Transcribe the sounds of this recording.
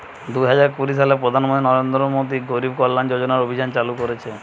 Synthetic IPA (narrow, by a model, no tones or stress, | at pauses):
d̪uɦad͡ʒaɾkuɾisalepɾod̪ʱanmɔ̃nt̪ɾinɔɾend̪ɾɔmod̪iɡoɾibkɔlːand͡ʒod͡ʒɔnaɾobʱid͡ʑant͡ʃalukɔɾet͡ʃʰe